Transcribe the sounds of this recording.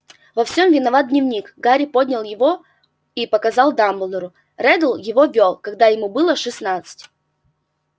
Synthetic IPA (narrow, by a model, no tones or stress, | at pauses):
vɐfsʲomvʲɪnɐvat̪̚dʲnʲɪvnʲikɡaɾʲɪpo̞dʲnʲɪlˠjɪvo̞ | ipəkɐzɑlˠd̪amblˠd̪əɾʊ | rɛd̪əlˠjɪvo̞vʲolˠkɐɡ̚d̪ajɪmubɨlˠəʂɨsnat̪sɨ̥tʲ